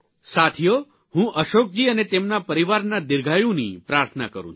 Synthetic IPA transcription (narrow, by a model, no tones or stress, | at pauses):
sat̪ʰijo | hũʔəʃok̚d͡ʒiənet̪emnapəɾiʋaɾnad̪ɪɾɡʱajũnipɾaɾt̪ʰəna̰kəɾṵ̃